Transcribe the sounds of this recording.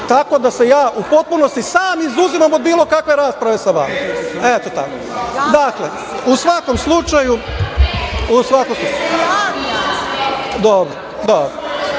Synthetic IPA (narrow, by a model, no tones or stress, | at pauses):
t̪ako̞d̪ase̞jaːʔupo̞t̪̚punost̪isaːmizuzimamod̪̚biːlˠo̞kakʋe̞ɾaːspɾaʋe̞saʋa̰maet̪ot̪a̰kod̪akle | usʋako̞mslˠut͡ʃaju | usʋakomslut͡ʃa | d̪obɾo | d̪obɾo